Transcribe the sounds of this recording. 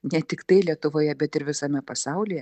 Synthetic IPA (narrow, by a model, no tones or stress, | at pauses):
nʲɛt̪ʲɪkt̪ɐɪlʲiɛt̪ʊʋoːjɛbʲɛt̪ɪɾʋʲɪsɐmʲɛpɐsɐʊlʲɪjɛ